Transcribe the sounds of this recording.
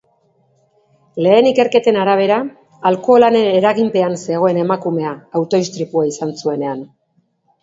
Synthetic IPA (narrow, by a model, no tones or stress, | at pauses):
le̞ːnike̞ɾke̞t̪e̞naɾaβ̞e̞ɾaː | lko̞ːlaneeɾaɣimpe̞anse̞ɣ̞o̞e̞ne̞makume̞aːwt̪o̞ist̪ɾipuaisansue̞ne̞an